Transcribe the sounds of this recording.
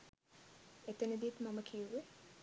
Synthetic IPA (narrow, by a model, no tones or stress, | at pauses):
et̪enəd̪it̪maməkʰiuʋi